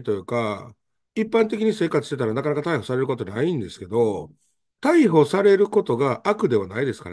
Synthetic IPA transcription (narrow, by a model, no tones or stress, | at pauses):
t̪o̞jɯ̟ːka | ipːãnt̪̬e̞kʲiɲ̟ise̞ːkat͡sɨ̥ɕt̪et̪aɾanakanakat̪aiho̞saɾe̞ɾɯ̟ko̞t̪o̞naĩnd̪e̞sɨ̥ke̞d̪o̞ | t̪aiɦo̞saɾe̞ɾɯ̟ko̞t̪o̞ɡaʔakɯ̟d̪e̞βanaid̪e̞sɨ̥ka̰